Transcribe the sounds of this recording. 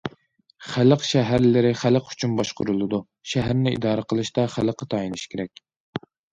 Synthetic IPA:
χæləqʃæɦæɾlɪɾɪχæləqy̥t͡ʃʰynbɑʃqʊɾulˠɨd̪u | ʃæɦæɾnɪʔḭd̪ɑːɾəqʰəlˠɨʃt̪ɑχæləqʰːət̪ʰɑːjinɨʃkʲeɾɛkʲ

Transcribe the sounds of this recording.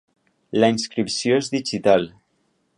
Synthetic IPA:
ləinskɾipsjoezðiʒit̪al

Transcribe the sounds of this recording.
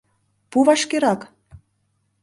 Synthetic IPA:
puβɑʃkeɾɑk

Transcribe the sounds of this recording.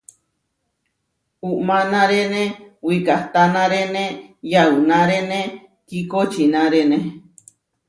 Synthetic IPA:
uʔmãnãɾenẽwikaht̪anãɾenẽjaunãɾenẽ | kikot͡ʃinãɾenẽ

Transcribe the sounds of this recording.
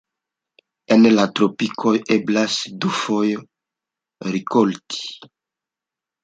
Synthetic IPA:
ɛnelat̪ɾopikʰɔjɛblasd̪ufɔj | ɾikolt̪i̥

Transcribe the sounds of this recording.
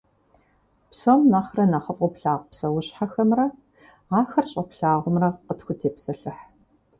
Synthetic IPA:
psomnɐχrɐnɐχəfʼʊpɬaːʁʷpsɐwʊɕħaxɐmrɐ | aːxɐrɕʼɐpɬaːʁʷʊmrɐqətxʷʊtʰeːpsɐɬɨħ

